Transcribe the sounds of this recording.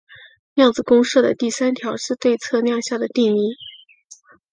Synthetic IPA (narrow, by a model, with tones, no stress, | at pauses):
ljɑ˥˩ŋd͡zɹ̩˩kʊ˥ŋʂɤ˥˩d̪ə̰˩t̪i˥˩sa˥nt̪ʰjɑ˧˥ʊʂɻ̩˥˧t̪we˥˧ɪt͡sʰɤ˥˧njɑ˥˧ŋɕja˥˩d̪ə˩t̪i˥˩ŋi˥˩